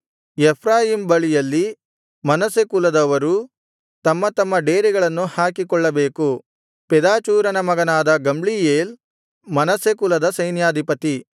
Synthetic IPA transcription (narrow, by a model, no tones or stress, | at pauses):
ɛpʰɾaːjimbɐɭijɐlːi | mɐnɐsekulɐd̪ɐʋɐɾu | t̪ɐmːɐt̪ɐmːɐɖeːɾiɡɐɭɐnːuhaːkikɔɭːɐbe̞ːku | pɛd̪aːt͡ʃuːɾɐnɐmɐɡɐnaːd̪ɐɡɐmɭijeːl | mɐnɐsekulɐd̪ɐsɐjnjaːd̪ʱipɐt̪i